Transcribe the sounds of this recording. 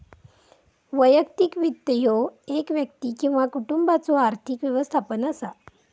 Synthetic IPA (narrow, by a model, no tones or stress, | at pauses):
ʋəjəkt̪ikʋit̪ːəjoekʋjək̚t̪ikĩw̃ʋakuʈumbat͡soaɾt̪ʰikʋjəʋəst̪ʰapənəsa